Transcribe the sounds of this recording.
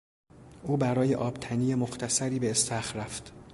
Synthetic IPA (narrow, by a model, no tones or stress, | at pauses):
ʔuːbæɾɒːje̞ʔɒːb̥t̪ʰæniːjemoxt̪ʰæsæɾiːbeːst̪ʰæxɾæft̪